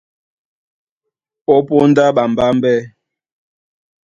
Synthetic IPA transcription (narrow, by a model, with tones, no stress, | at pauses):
ɔ˦po˦n˦da˦ɓa˨m˨ba˦m̩˦bɛ˦